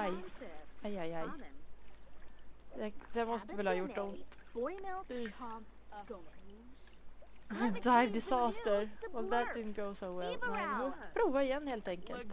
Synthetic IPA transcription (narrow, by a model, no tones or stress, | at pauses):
ajajajaj | d̪ɛd̪ɛmɔst̪əvɛlhɑːjʊʈːʊnt̪ | ɪd̪ɾaɪvd̪ɪsɑːst̪əɾwɔlðæt̪̚ɪd̪n̩̚ɡoʊsoʊwɛlmɛnhʊpʰɾuːvaɾɪjɛnːheːlt̪ɛŋkəlt̪